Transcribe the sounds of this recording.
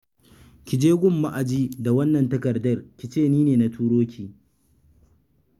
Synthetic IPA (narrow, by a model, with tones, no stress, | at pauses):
kʲɪ˨d͡ʒeː˦ɡʷʊ˦˨mːa˦ʔa˨d͡ʒiː˦da˨wɐ˦nːɐ˨ntɐ˦kɐ˨rdɐ˦rkʲi˨t͡ʃeː˦˨niː˦neː˨na˨tʰuː˦ɽoː˦kʲiː˨